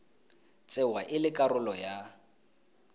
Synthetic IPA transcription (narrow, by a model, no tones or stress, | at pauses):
t͡sʼɛwaʔɪlɪkʼaɾʊlɔja